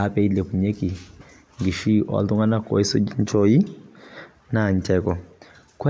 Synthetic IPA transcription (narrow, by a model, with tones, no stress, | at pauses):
a˦pɛ˦i˦lɛ˨pu˨ɲɛ˦ki˨ | ŋɡi˨ʃi˦ʔɔ̰˨lu˦ŋa˦na˦kɔ̰˨i˦sɔ˦d͡ʒi˦ɲ˦t͡ʃɔ˦i˦ | na˨ɲ˨t͡ʃɛkɔ˨ | kɛ˦